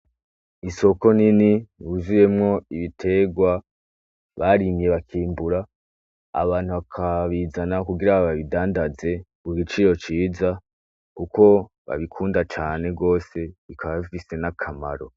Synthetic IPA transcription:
iso̞ko̞niniβuzuje̞mŋo̞iβitʰe̞ɡwa | βaɾimije̞βakʰiːmbuɾa̰ː | βaːnhuβakʰaβiːzanakuɡiɾaβaβidaːndaze̞ | ɡuɡit͡ʃiɾo̞t͡ʃiːza | kuko̞ | βa̰βikʰuːndat͡ʃaːne̞ɡo̞ːse̞βikʰaβaβifise̞nakʰama̰ɾo̞

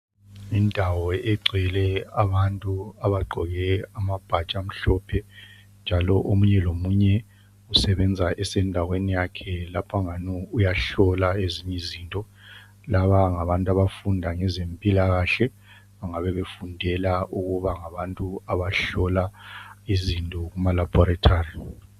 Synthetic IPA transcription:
indʱawɔɛɡ͡ǀʱɛlɛaβantʼuaβaɡ͡ǃʱɔɣɛamab̥ʱat͡ʃʼam̩ɬɔpʰɛ | nd͡ʒʱalɔʔomuɲɛlomuɲɛ | usɛβɛnd͡zʱaʔɛsɛndʱaɣwenijakʰɛlapʰaŋanɔujaɬɔlaeziɲɛziːntʼɔ | laβaŋaβantʼaβafundʱaŋɛzempʼilaɣaɬɛ | βaŋaβɛβefundʱɛlauɣuβaŋaβantʼuaβaɬɔlaizintʼɔɣumalab̥ʱɔɾatʰaːri

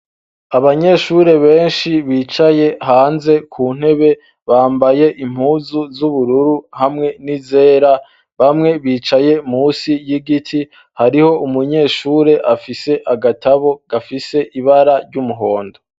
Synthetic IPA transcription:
aβaɲe̞ʃuɾe̞βe̞ːnʃiβiːt͡ʃaje̞haːnze̞kʰuːn̥he̞βe̞ | βaːmbaje̞ʔim̥huːzuzuβuɾuɾuhamŋe̞nize̞ːɾa | βamŋe̞βiːt͡ʃaje̞musijiɡitʰi | haɾiho̞umuɲe̞ʃuːɾe̞ʔafise̞ʔaɡatʰaβo̞ɡ̥afise̞ʔiβaɾaɾɟumuɦo̞ːndo

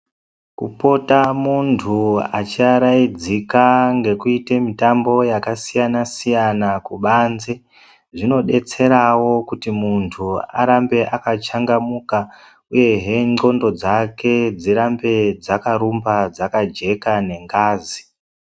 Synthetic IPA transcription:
kupo̞tamuntʰuat͡ʃiaɾaid͡zikaŋɡe̞kuitemitambo̞jakasijanasijanakuɓanze | ʐino̞ɗe̞t͡se̞ɾawo̞kutimuntʰua̰ɾambe̞ʔakat͡ʃaŋɡamuka | uje̞ɦe̞ŋ͡ǃo̞ndo̞d͡zake̞d͡ziɾambe̞d͡zakaɾumbad͡zakad͡ʒe̞kane̞ŋɡaːzi

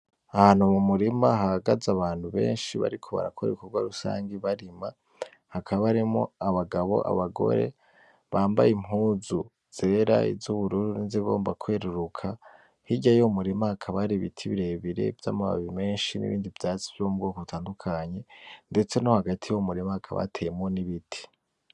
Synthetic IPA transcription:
ahaːn̥humumuɾimaɦaaɡazaβaːnhuβe̞̰ːnʃiβa̰ɾikʰo̞βa̰ɾa̰kʰoɾeukoɡwa̰ɾusa̰ːŋɡiβaɾima | hakʰaβaβaɾimŋo̞̰aβaɡaβo̞̰ʔa̰βaɡo̞̰ɾe̞̰ | βaːmba̰jimɦuːzu | z̥e̞ɾa̰ḭzzuβuɾuːɾuinzeβo̞̰ːmbakʰwe̞ɾuɾukʰa | hiɟajomuɾimahakʰaβaɾiβḭtʰiβiɾe̞βiɾe̞̰vja̰ːmuβa̰βiime̞ːnʃinḭβḭːndivjaːt͡si̥vjomubɡo̞ːkoβutʰaːndukʰaɲe̞nde̞t͡se̞nohaɡatʰijomuɾimahakʰaβa̰tʰejemŋo̞niβitʰi̥

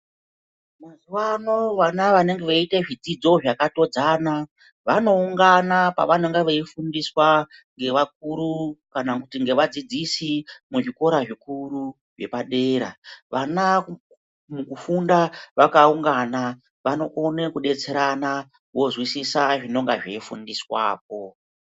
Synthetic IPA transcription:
mazuwanoʋanaʋane̞ŋɡe̞ʋaiteʐid͡zid͡zo̞ʐakato̞d͡zaːna | ʋano̞uŋɡanapa̰ʋaneŋɡeʋeifundiswaŋɡe̞ʋak̚uɾukanakutiŋɡe̞ʋad͡zid͡zisimuʐiko̞ɾaʐikuɾu | ʐe̞paɗe̞ɾa̰ʋana | mukufundaʋakauŋɡana | ʋano̞ʔonekuɗe̞t͡se̞ɾana | ʋo̞zwisisaʐino̞ŋɡaʐeifṵndiswa̰ːp̚o̞

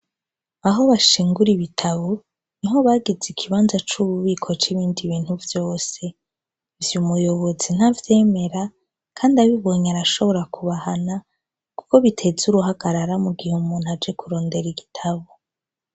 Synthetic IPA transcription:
aɦo̞βaʃiːŋɡuɾiβitʰaβo | niɦo̞βaːɡizikʰiβaːnzat͡ʃuβuβiːkʰo̞t͡ʃiβiːndiβiːn̥huvjo̞ːse̞ | vjumujo̞βo̞zin̥havje̞ːme̞ɾa | kʰaːndiaβiβo̞ɲaɾaʃo̞βo̞ɾakuβahana | kuko̞βitʰe̞zuɾuɦaɡaɾaɾamuɡihumun̥had͡ʒe̞kuɾo̞ːnde̞ɾiɡitʰaβo

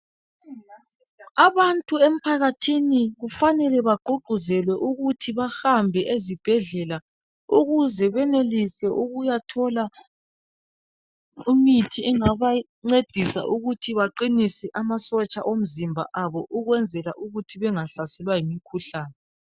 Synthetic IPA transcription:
aβantʼuem̩pʰaɣatʰiniɣufanɛlɛβaɡ͡ǃʱuɡ͡ǃʱuzɛlwɛʔuɣutʰiβaxambʱɛʔezib̥ʱɛɮɛla | uɣuzɛβɛnelisɛʔuɣujatʰɔla | imitʰiɛŋaβa | ŋ͡ǀed̥ʱisa̰ʔuɣutʰiβaǃinisɛʔamasɔt͡ʃʼaʔom̩zimbʱa̰ʔaβɔʔuɣwɛnd͡zʱɛlaʔuɣutʰiβɛŋaɬasɛlwajimikʰuɬaːnɛ

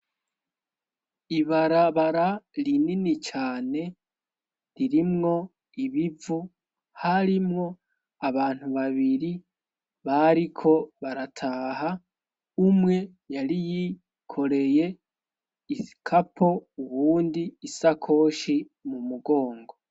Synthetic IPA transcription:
iβaɾaβaɾalininit͡ʃaːne̞ | ɾiɾimŋo̞ | iβivu | haɾimŋo̞ | aβaːn̥huβaβiɾi | βaɾikʰo̞βaɾatʰaːha | umŋe̞ | jaɾiji | kʰo̞ɾe̞je̞ | ikʰapʰo̞uβuːndiːsakʰo̞ːʃi | mumuɡo̞ːŋɡo̞

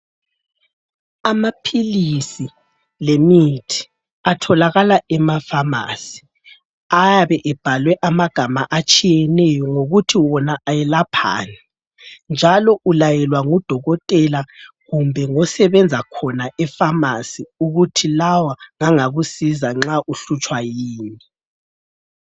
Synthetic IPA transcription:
amapʰilisi | lemitʰi̥ | atʰɔlaɣalaɛmafama̰ːsi̥ | ajaβɛʔɛb̥ʱalwɛʔamaɡ̥ʱamaʔat͡ʃʼijɛnɛjɔŋoɣutʰiwɔnaʔajɛlapʰa̰ːnɛ | nd͡ʒʱalɔʔulajɛlwaŋud̥ʱɔɣɔtʼɛla | ɣumbʱɛŋɔsɛβɛnd͡zʱakʰɔnaʔɛfamasiuɣutʰilawaŋaŋaɣusizaŋ͡ǁaʔuɬut͡ʃʼwajiːni

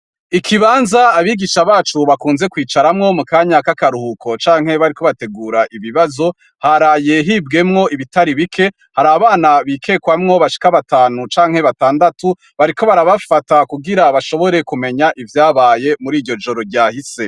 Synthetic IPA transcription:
ikʰiβaːnzaːβiɡiʃaβaːt͡ʃuβakuːnze̞kwiːt͡ʃaɾamŋo̞mukaːɲakakaɾuhukʰo̞t͡ʃaːŋ̥he̞βaɾiko̞βate̞ɡuːɾaʔiβiβazo̞ | haɾaje̞ɦiːb̚ɡe̞mŋo̞ʔiβitaɾiβikʰe̞ | haɾaːβaːnaβiːkʰe̞ːkwamŋo̞βaʃi̥kaβataːnut͡ʃaːŋhe̞βataːndatu | βaɾiko̞βaɾaβafatakuɡiɾaβaʃo̞βo̞ɾe̞kume̞ɲaʔivjaːβaːje̞muɾiːɟo̞d͡ʒo̞ɾo̞ɾɟaːhise̞

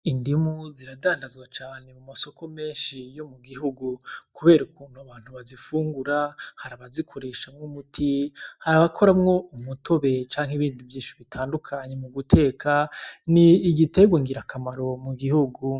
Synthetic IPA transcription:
indimuziɾadaːndazɡwat͡ʃaːne̞mumaso̞kʰo̞me̞ːnʃijo̞muɡiɦuɡukuβe̞ːɾukuːn̥huaβaːn̥huβazifuːŋɡuɾahaɾaβazikʰo̞ɾe̞ːʃamŋumutʰihaɾaβakʰo̞ɾamŋo̞umutʰo̞βe̞t͡ʃaːŋ̥iβiːndivjiːnʃiβitʰaːndukʰaɲe̞muɡutʰe̞ːkʰaniːɡiteɡwoŋɡiɾakʰamaɾo̞muɡihuɡu

